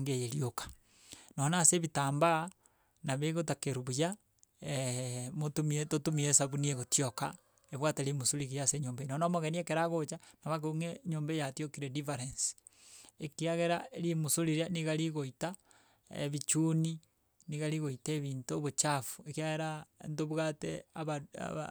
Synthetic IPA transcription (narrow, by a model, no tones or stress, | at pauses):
ŋɡejeɾiokḁ | noonaseβitaːmba | naβeɣot̬akeɾuβuja | motumietotumiesaβunieɣotioka | eβwateɾimosuɾiɣijaseɲoːmbenonamoɣeniekeɾaɣot͡ʃanaβak̬oŋeɲoːmbejatiokiɾedifaɾensi̥ | ekiaɣeɾaeɾimosuliɾaniɣaɾiɣoita | ḛβit͡ʃuni | niɣaɾiɣoiteβiːntoβot͡ʃafu̥ekiaɣeɾaentoβwɣateaβa̰